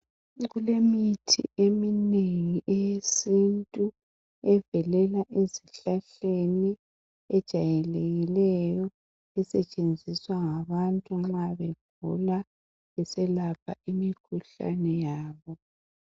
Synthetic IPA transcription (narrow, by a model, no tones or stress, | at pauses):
ɣulemitʰḭʔemineŋiʔejesintʼu | ɛvɛlɛlaʔeziɬaɬeni | ɛd̥ʒ̥ʱajɛleɣilɛjɔ | ɛsɛt͡ʃʼend͡zʱiswaŋaβantʼuŋ͡ǁaβeɡ̥̚ʱṵla | ɛsɛlapʰa̰imikʰuɬa̰nɛjaːβɔ